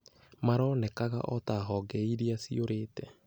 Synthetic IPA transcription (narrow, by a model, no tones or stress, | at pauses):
maɾɔnɛkaɣa̰ʔɔtaɦɔɡɛiɾiasioɾeːtɛ